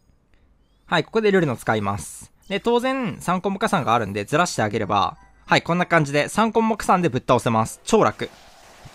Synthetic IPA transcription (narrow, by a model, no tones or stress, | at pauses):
haiko̞̥ko̞d̪e̞ɾɯ̟ɾɯ̟not͡sɨ̥kaimasɨ̥ | d̪et̪o̞ːzẽ̞sãŋko̞mːokasãŋɡaːɾɯ̟̃nd̪e̞zɨɾaɕi̥t̪e̞aɡe̞ɾe̞ba̰ | haikõ̞nːakãɲ̟d͡ʑid̪e̞sãŋkõ̞mːokɯ̥sãnd̪e̞bɯ̟t̪ːao̞se̞masɨ̥t͡ɕo̞ːɾa̰kɯ̟